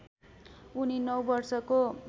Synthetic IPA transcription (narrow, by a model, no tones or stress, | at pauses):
uninʌwbʌrsʌko